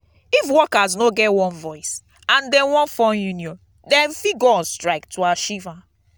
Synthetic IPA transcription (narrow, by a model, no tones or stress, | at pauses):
ifwɔkaznoɡɛtwɔ̃nvɔɪs | ãndɛ̃nwɔ̃nfɔ̃njunjɔ̃n | dɛ̃nfiɡɔstɹaɪk̚tʰuaʃivã